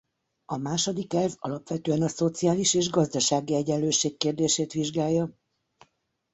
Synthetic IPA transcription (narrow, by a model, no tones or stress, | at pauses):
ɒmaːʃod̪ikɛlvɒ̰lɒpʋɛt̪øːɛnɒso̞t̪sijaːliʃeːʒɡɒzd̪ɒʃaːɡiɛɟɛnløːʃeːkːeːrd̪eːʃeːt̪ʋiʒɡaːjːɒ